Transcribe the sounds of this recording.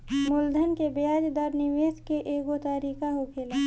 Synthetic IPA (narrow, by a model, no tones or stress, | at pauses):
mʊld̪ʱənkebeaːd͡ʒd̪əɾnɪʋeːskeʔeːɡot̪aɾiːkaɦokʰeːlaː